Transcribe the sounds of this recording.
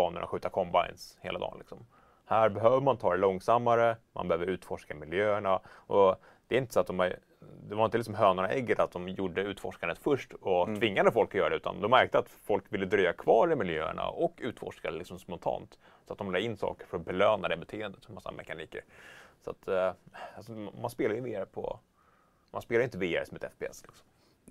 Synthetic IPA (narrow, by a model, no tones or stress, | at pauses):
bɑːnə̰ɳʔa̰ɧʉ̟ːt̪akʰɔmba̰ɪnsheːlad̪ɑ̰ːnlɪ̰ksɔm | hæːɾbɛɦøːvəmant̪ʰɑːd̪ɛlɔŋsamːaɾəmʔa̰nbɛhøːvəɾʉ̟ːt̪fɔʂkamɪljøːəɳaʔɔ | d̪̥ɛːɾɪnt̪ə̥sɔat̪̚d̪ɔma | d̪ɛvaɾɪnt̪əlɪksɔmɦøːnaɳaʔɛɡːət̪at̪̚d̪ɔmjuɖːəʉ̟ːt̪fɔʂkand̪ət̪fɵʂʈɔt̪ʰvɪŋːad̪əfɔlkɔjœːɾadɛʉːt̪a̰nd̪ɔmːæɾk̚t̪əat̪fɔlkvɪlːəd̪ɾyːakʰvɑːɾɪmɪljø̰ːə̰ɳa̰ʔɔkːʉ̟ːt̪fɔ̰ʂkad̪ɛlɪksɔmspɔnt̪ʰɑ̰ːnt̪ | sɔat̪̚d̪ɔmlɑːɡɪnːsɑ̰ːkəɾfœɾɔbɛløːnad̪ɛbɛt̪ʰeːɛnd̪ət̪masːa̰mʔɛ̰kaniːkə̰ɾsa̰t̪ʰalsɔmmanspeːlajəveːaɾəpʰɔ̰ | mʔanspeːlaʏɪnt̪əveːa̰ɾəsɔmɛt̪ɛ̰fbeɛ̰slɪksɔm